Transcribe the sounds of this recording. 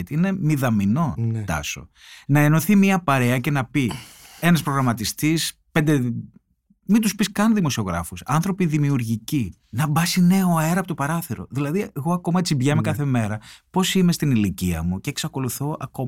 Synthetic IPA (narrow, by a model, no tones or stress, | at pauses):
t̪ine̞miðɐmino̞t̪ɐ̰so̞̰ | nɐeno̞θimiɐpɐɾe̞ɐce̞nɐpi | e̞nɐspɾo̞ɣɾɐmɐt̪ist̪ispe̞nd̪e | mind̪uspiskɐnðimo̞sio̞ɣɾɐ̰fusɐ̰nθɾo̞piðimiuɾʝici | nɐbɐsine̞oeɾɐpot̪opɐɾɐθeɾo̞̰ðilɐðie̞ɣo̞ɐko̞mɐet͡sibʝɐmekɐθe̞me̞ɾɐpo̞sime̞st̪iniliciɐ̰muceːksɐko̞luθo̞ʔɐ̰ko̞m